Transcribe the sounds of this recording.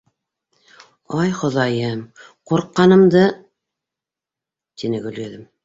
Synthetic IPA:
ɑjχŏðɑjɤm | quɾqːɑnɤ̆md̪ɤ | t̪inɘɡɵ̆lɡæðɘm

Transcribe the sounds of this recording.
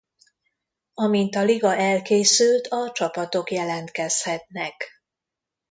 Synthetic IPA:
ɒmint̪ɒliɡɒʔɛlkeːsylt̪ɒt͡ʃɒpɒt̪o̞kjɛlɛnt̪kɛshɛt̪nɛk

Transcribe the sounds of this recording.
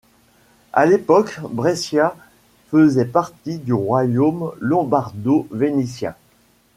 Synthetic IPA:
a̰lepɔkbʁɛsja | fəzɛpaʁt̪id̪yʁwajomlɔ̃baʁd̪ovenisjɛ̰̃

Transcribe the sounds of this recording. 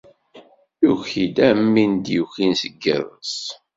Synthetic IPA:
juçid̪æmːind̪juçinsəɡːə̰ðˤəs

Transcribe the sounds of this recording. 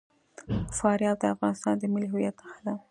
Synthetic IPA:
fɑɾjɑld̪əafɣɑnɪst̪ɑnd̪əmɪliɦʊwjat̪ːaxad̪a

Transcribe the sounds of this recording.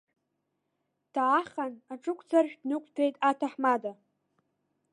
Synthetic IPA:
d̥aːχanaʈ͡ʂʼɨkʷʰʼd͡zarʒᶣdnɨkʷʰtʰejtʼatʰaħmada

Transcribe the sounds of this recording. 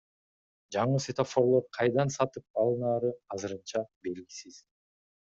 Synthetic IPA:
d͡ʒɑɴɯset̪ofoɾlˠoɾqʰɑjd̪ɑnsɑt̪ɯp̚ɑlˠɯnɑːɾɯɑzɯɾɯnt͡ʃɑbe̞lɡisiz̥

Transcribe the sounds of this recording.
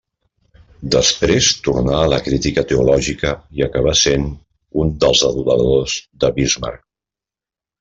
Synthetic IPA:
d̪əspɾest̪urnaələkɾit̪ikət̪əulɔʒikəiəkəβ̞asen | und̪əlˠzəðulə̰ðozd̪əβizma̰rk

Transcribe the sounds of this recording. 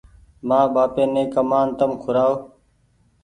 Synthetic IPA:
maːbaːpẽːnẽːkəmaːnt̪əmkʰʊɾaːoː

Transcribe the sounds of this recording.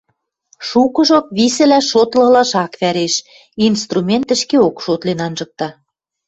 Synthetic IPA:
ʃukɤ̆ʒokβisɘ̆læʃot̪lɤ̆lɑʃɑkβæɾeʃ | inst̪rumʲent̪ə̆ʃkeokʃot̪lenɑnʒɤ̆k̚t̪ɑ

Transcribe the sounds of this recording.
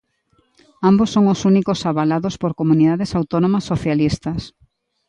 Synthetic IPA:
ambosːoŋosunikosaβalaðospoɾkomuniðaðesawt̪onõmɐsːoθjalist̪ɐs

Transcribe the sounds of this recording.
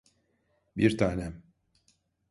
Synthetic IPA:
biɾt̪ʰaːnɛm

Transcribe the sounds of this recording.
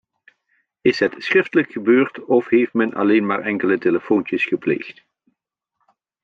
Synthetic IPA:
ɪsɦətsχrɪftələkχəbøːɹtɔfɦejftmɛnʔɑ̰lejnmaːɹʔɛŋkələteləfoːntəsχəplḛːjxt

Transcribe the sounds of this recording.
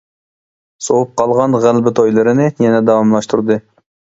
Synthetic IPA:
sowup̚qʰɑlˠʁɑnʁælbɪt̪ʰojlˠɨɾɨnɪjɛnɛd̪ɑwɑmlˠɑʃt̪ʰuɾd̪ɨ

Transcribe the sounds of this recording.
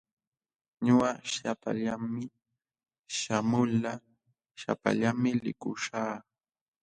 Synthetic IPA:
ɲʊɢaʃapa̰ʎamːɪ | ʃamʊla | ʃa̰pa̰ʎamɪlɪ̰kʊʃaː

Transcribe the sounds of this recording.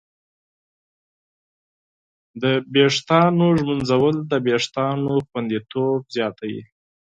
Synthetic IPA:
d̪əbeʂt̪ɑnoʒmunzawəld̪əbeʂt̪ɑnoxwand̪it̪obzjɑt̪ʰajḭ

